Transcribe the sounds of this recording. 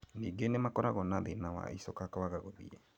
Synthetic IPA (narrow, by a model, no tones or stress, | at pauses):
niːɡenemakɔɾaɣɔnaðenawa̰ḭsɔkakawaɣaɣoðḭɛ